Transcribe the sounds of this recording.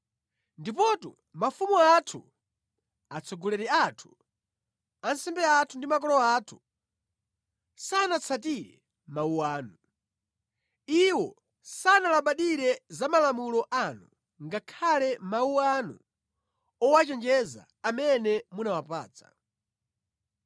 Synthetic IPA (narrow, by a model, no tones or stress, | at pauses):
ndipɔtṵ | mafumuatʰu | at͡sʰɔɡɔlɛɾɛatʰu̥ | ansɛmbɛatʰundimakɔlɔaːtʰu̥ | sanat͡sʰatiɾɛ̰ | mauwaːnu | iwɔ | sanalaɓaɗiɾɛzamalamulɔʔanu | ŋɡakʰalɛmauwanṵ | ɔwat͡ʃɛnd͡ʒɛza̰ːmɛnɛmunawapa̰ːt͡sḁ̰